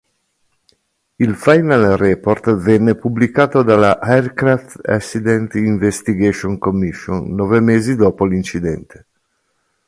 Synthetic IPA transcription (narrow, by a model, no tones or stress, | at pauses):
ilfajnalrɛpoɾt̪vɛnːepublikaːt̪od̪alahɛrkɾaft̪ɛsid̪ɛnt̪iɱvest̪iɡeʃonkomːiʃːo̰nːɔvemeːzid̪ɔːpolint͡ʃid̪ɛ̰nt̪e̥